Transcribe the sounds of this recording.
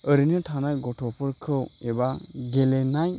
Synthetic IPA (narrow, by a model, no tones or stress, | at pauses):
əɾinɯtʰanajɡɔtʰɔpʰɯɾkʰɯwebaɡelenaj